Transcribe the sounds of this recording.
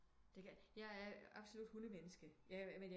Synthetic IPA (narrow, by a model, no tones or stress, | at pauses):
d̥e̝kʰæjɑ̈ɪæɐɑ̈b̥solud̥hunəmenəsɡ̥əjæmenj